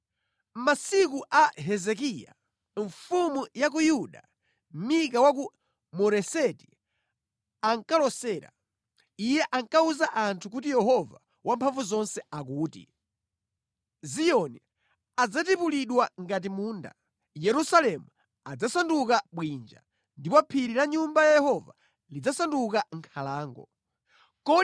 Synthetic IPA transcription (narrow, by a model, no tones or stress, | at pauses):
masikuʔaɦɛzɛk̬ija̰ | ɱfumujak̬ujuɗa | mik̬awak̬u | mɔɾɛsɛti̥ | aŋkalɔsɛːɾa̰ | ijɛʔaŋkauzaʔantʰukutijɛɦɔva | wʔampʰaɱvuzɔnsɛak̬uːtḭ | zijɔni | ad͡zatipuliɗwaŋɡat̬imuːnda̰ | jɛɾusalɛmu | ad͡zasandukaɓwind͡ʒa̰ | ndipapʰiɾiɾaɲumbajajɛhɔva̰ | lid͡zasandukaŋkʰalaːŋɡɔ̰ | kɔ